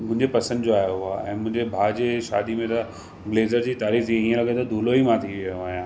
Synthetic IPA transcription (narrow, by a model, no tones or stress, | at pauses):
mʊ̃ɦɪ̃ɲd͡ʑepɐsə̃nd̪d͡ʑoaːjoɦʊaɛ̃ːmʊ̃ɦɪ̃ɲd͡ʑebʱaːd͡ʑeʃa̰ːd̪imẽt̪ɐ | bleːzəɾd͡ʑiːt̪aːɾiːxiiːẽlɐɡẽt̪ɐd̪ʱuːloimãt̪ʰiʋioaːɦijãː